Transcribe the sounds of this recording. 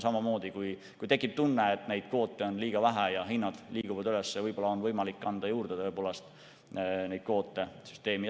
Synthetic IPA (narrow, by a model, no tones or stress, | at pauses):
sɑmɑmo̞ːd̪̥ikuj | kujt̪e̞kːˑip̚t̪unːeet̪ːˑne̞jd̪̥̚ko̞ːt̪ːˑe̞o̞nliːɡ̥ɑvæɦæjɑɦinːɑd̪̥liːkuvɑd̪ylesːevɤjb̥o̞lːɑo̞nvɤjmɑlikːɑnd̪̥ɑjuːrd̪̥eɤepo̞ːlest̪ | ne̞jd̪̥̚ko̞ːt̪ːˑe̞sy̥st̪e̞ːmi